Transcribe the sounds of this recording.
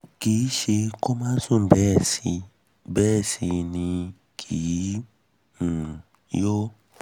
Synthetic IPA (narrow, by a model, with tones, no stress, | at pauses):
ki˨˦ʃe˧ko˦mãː˦sũ˦˨bɛ˦˨si˧ | bɛ˦˨si˧nĩ˧ | kʰi˨˦˨ | jo˦